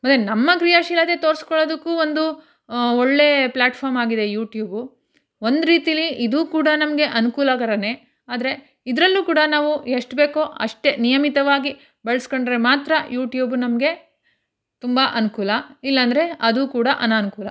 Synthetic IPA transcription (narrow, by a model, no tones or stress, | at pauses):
mɐt̪ːenɐmːɐɡɾijaʃilɐd̪et̪oːɾskɔɭoːd̪ɐkːuːond̪u | oɭːe̞plaːʈpʰaːɾmaːɡid̪e̞juːʈjuːbu | o̞nd̪ɾiːt̪ijɐliʔid̪uːkuːɽɐnɐmɐɡe̞ʔɐnukuːlɐɡɐɾɐne̞ | aːd̪ɐɾe̞ | id̪ɐɾɐlːuːkuːɽɐnaːʋueʂʈbe̞ːkoʔɐ̰ʂʈe̞nijɐmit̪ɐʋaːɡi | beɭɐsko̞ɳɖɾe̞maːt̪ɾɐjuːʈjuːbunɐmɐɡe̞ | t̪umbaʔɐnukuːlɐilːɐːnd̪ɐɾe̞ɐd̪uːkuːɽɐʔɐnaːnukuːlɐ